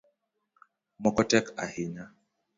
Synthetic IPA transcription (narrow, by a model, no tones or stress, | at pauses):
mɔkɔtɛkahina